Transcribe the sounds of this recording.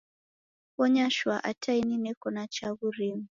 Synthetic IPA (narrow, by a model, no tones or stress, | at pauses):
wɔɲaʃwaʔatʰaininɛkɔnat͡ʃaɣuɾimu